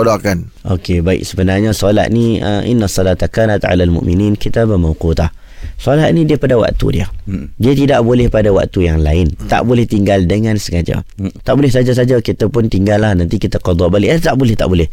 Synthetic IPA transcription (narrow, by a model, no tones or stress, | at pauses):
odokanʔokebaɪ̰k̚səbənarɲasolat̪̚niə̰ʔḭnːasːˤɑlaːt̪akaːnat̪ʕa̰lalmʊ̰ʔminiːnkʰit̪aːbamawqut̪ah | solat̪̚nidiəpadawa̰ʔt̪ṵdiədiət̪idaʔbolɛhpadawa̰ʔt̪ujaŋlaɪnt̪a̰ʔbolɛht̪iŋɡaldəŋãnsəkad͡ʒa̰t̪aʔbolɪhsad͡ʒas̬ad͡ʒakit̪apʊnt̪iŋɡalːahnant̪ikit̪aqod̪ˤɔʔbaliʔat̪aʔbolɛht̪aʔbolɪh